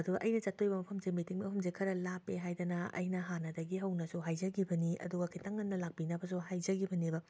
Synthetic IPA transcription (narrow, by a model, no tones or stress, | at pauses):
ɐduɡɐʔɐjnɐt͡ʃatːojbɐmɐpʰɐmzemitiŋmɐpʰɐmzekʰɐɾɐlapeɦajdɐnɐɐ̰jnɐɦanɐdɐɡiɦɐwnɐsuɦajd͡ʒɐɡibɐniɐ̰duɡɐkʰitaŋːɐnːɐlak̚pinɐbɐs̬uhajd͡ʒɐɡibɐnibɐ